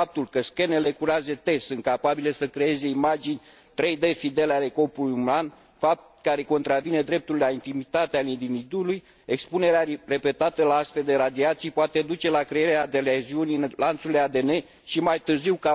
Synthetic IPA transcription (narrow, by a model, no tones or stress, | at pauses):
ap̚t̪ulkəske̞nele̞kuɾeazet̪e̞sɨnt̪̚kapabilesəkɾe̞e̞ze̞imad͡ʒinʲ | t̪ɾe̞jd̪e̞fid̪e̞leale̞ko̞pulujuman | fap̚ | kaɾe̞ko̞nt̪ɾavine̞d̪ɾe̞p̚t̪ullaint̪imit̪at̪ealind̪ivid̪uluj | ekspune̞ɾeare̞pe̞t̪at̪əlaasfe̞ld̪e̞ɾad̪iat̪sijpoat̪e̞d̪ut͡ʃe̞lakɾeeɾead̪e̞leziunilant̪sulead̪e̞ne̞ | ʃimajt̪ɨrziwka